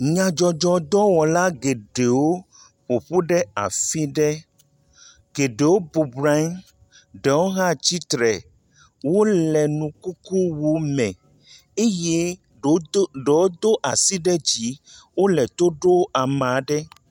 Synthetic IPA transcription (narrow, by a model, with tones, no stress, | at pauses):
ɲã˨d͡ʒɔ˨d͡ʒɔ˦d̪ɔ˦wɔ˨la˦ɡe˨ɖe˨wo˦ | ɸo˨ɸu˦ɖɛ˦a̰˨fi˦ɖɛ˦ | ɡe˨ɖe˨wo˦bu˨bɾa˦n | ɖɛ˨wo˦ɦã˦t͡ɕi˦t̪ɾɛ˨ | wo˦lɛ˨nũ˨ku˦ku˦wu˦mɛ̃˨ | e˦je˦ | ɖe˨wo˦d̪o˦ʔa˨si˦ɖɛ˦d͡ʑi˦wo˦lɛ˨t̪o˦ɖo˦ʔa˨mã˨˦ɖɛ˦